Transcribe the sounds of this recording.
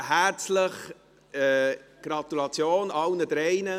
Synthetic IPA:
hæɾt͡sləχ | ɛɡ̥ɾɑt̪ulɑt͡sjoːnɑlnəd̥̪ɾɛɪnə

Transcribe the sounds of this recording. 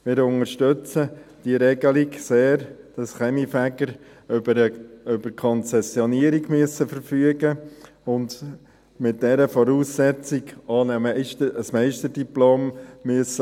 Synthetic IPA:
mɪːɾʊŋəɾʃtʏt͡səd̥iəɾɛɡəliɡseːɾd̥ɑsχɛmifæɡəɾ | əøb̥əɾkʰɔnt͡sɛsjɔniəɾiɡmyəsːəfəɾfyəɡə | ʊnd | mɪt̚d̥ɛɾəfɔɾuːsːɛt͡siɡɑːnəmɪʃtəsmɛɪʃtədiploːmːyəsə

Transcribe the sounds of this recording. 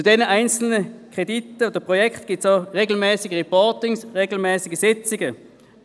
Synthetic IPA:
t͡sudɛːnəʔaɪnt͡sl̩nəkʁ̥editəoːdəpʁojɛkχtɡ̥ɪːtsd̥oːʁeːɡl̩mɛːsɪɡəʁɛpɔɐtɪŋsʁeːɡl̩mɛːsɪɡəsɪt͡sɪɡə

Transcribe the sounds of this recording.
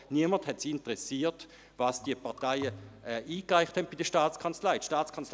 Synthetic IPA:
niəmənthɛtsintəʁɛsiːt | vɑsd̥iəpaɐtaɪəɛʔiːkʁaɪχthɛnt̚b̥idəʃtaːt͡skʰant͡slaɪtʃtaːt͡skʰant͡sl

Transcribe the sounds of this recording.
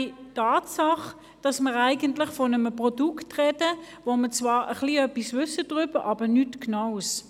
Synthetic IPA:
itɑːtsɑχ | d̥ɑsməʁæɪɡəntlɪχfɔnəmpʁɔduktʁɛdə | vomət͡svɑːʁʔə̰χliœpisvʏsəd̥ʁʏb̥əʔɑb̥ənytknaʊs

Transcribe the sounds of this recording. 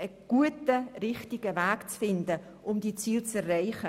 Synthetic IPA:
əɡ̥uətəɾɪχtɪɡ̥əvæːkt͡sfɪndə | ʔʊmdit͡siːlt͡sɛrːaɪχə

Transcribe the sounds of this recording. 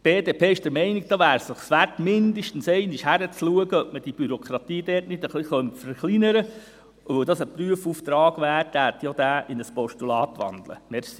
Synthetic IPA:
b̥eːdeːpʰeːɪʃd̥əɾmɛɪnɪɡ̚d̥ɑːʋæːɾsɪχsʋætmɪnd̪əʃtən̩sɛɪnɪʃhæɾət͡sluəɡəœp̚məd̥ib̥yɾokʰɾɑt̪iːdɛːtnɪd̪əχliχœntfəɾχlinəɾə | uʋœwd̪ɑsəpryəfuft̪ɾɑːɡ̥ʋæːɾd̥æɾtjɑd̪æːʔɪnəspɔʃtulɑːt̪ʋɑ̰nd̥̪lə̰mɛɾsi

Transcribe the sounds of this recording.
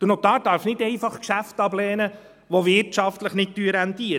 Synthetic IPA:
d̥əɾnot̪ɑːdɑɾfnɪdɛɪfɑχkʃæftɑblɛːnə | ʋovɪɾtt͡ʃɑftləχnɪt̚tːyəɾæntiəɾ

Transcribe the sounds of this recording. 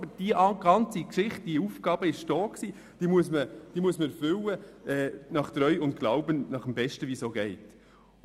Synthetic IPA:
bəɾd̥iɑɡ̥ɑnt͡sikʃɪχt̚d̥iufɡ̥ɑːbəɪʃd̥ɔːksiː | d̥iːmuəsməd̥iːmuəsməfʏləɛːnɑχt̪ɾœʏʊnt̚ɡ̥laʊbənnɑχəmbɛʃtəʋiːsoːɡɛɪt

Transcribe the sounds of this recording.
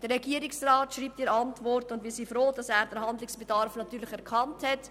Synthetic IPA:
d̥əɾːɛɡiəɾɪksraːtʃɾiːp̚tiɾəɑntvɔrtʊndʋiːsiːfɾoːd̥ɑsæːɾd̥əɾɦɑndlɪksb̥edɑɾfnɑtyːɾlɪçɛɾkʰɑnthɛt

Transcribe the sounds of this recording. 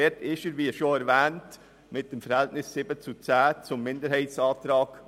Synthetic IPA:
ɪtɪçəɾviːʃoːnɛɾvɛːnt | mɪt̚d̥eːmfəɾhɛltnɪsːiːbət͡sut͡sæːt͡sʊmːɪndəɾhaɪtsɑːtɾɑːk

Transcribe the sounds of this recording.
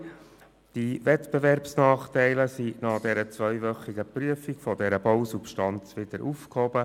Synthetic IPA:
d̥ivɛt̪bevɛɾpsnɑːχt̪ɛɪləsinɑd̥̪ɛɾət͡sʋœʏʋœχiɡəpryəfikfɔdɛɾəbɔwsupʃtɑnt͡sʋɪd̪̥əɾʔufkhɔbə

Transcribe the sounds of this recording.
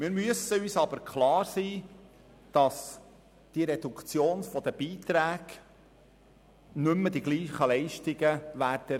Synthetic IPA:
mɪːɾmyəsəyːsɑbəɾkʰχlɑːɾsiː | d̥ɑs | d̥iɾedukt͡sjoːnfɔd̪əb̥iːt̪ɾæːɡ̥ | nʏmːəd̥iɡliːχəlɛɪʃtɪɡəʋæːɾd̥ə

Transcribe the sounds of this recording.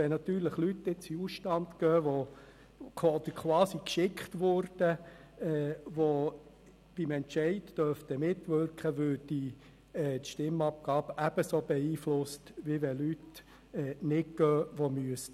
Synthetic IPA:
ɛnɑt̪yːɾləχlytːɪt͡siusʃtɑntkœːʋo | d̪əkʰwɑːsikʃɪkχtʋʊɾd̥ə | ɛːʋo | b̥ɪmɛntt͡ʃɛɪdd̥œrft̪əmɪtʋʏɾkχəʋøːd̥i | ɛt̪ʃtɪmɑp̚ɡ̥ɑːbʔæb̥əsob̥ɛiːflʊstʋiʋɛlyt | ɛːnɪɡ̥œːʋomyəst

